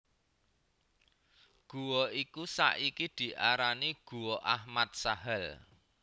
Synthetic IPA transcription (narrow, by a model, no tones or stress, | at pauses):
ɡ̥ṳwɔikusa̰ʔikid̪̥i̤ʔaɾaniɡ̥ṳwɔʔahmat̪̚saɦəl